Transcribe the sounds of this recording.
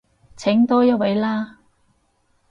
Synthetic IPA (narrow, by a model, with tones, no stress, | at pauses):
t͡sʰɪ˨˥ŋt̪ɔː˥jɐ˥wɐ˨˥jlaː˥